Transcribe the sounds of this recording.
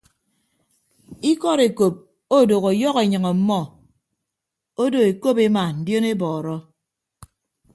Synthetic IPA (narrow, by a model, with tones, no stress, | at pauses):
i˦kɔ˦ɾe˨ko˨p̚ | o˦˨do˨ɣo˨jɔ˦ɣe˨ɲɨ˨ŋɔ˨m̩˦mɔ˦ | o˦do˨e˨ko˦pe˦ma˨n̩˨djo˦ne˦bɔː˨ɾɔ˦